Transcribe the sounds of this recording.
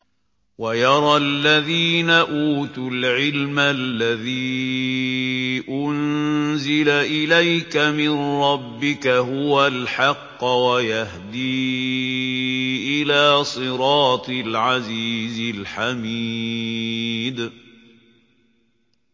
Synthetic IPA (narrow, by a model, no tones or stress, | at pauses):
wajɑɾˤɑlːaðiːnaʔuːt̪ʊlʕɪlmalːaðiː | ʔʊnzɪlaʔɪlajkamɪnɾˤɑbːɪkaɦʊwalħɑqːwajahd̪iː | ʔɪlaːsˤɨɾɑːt̪ˤɨlʕaziːzɪlħami | d̪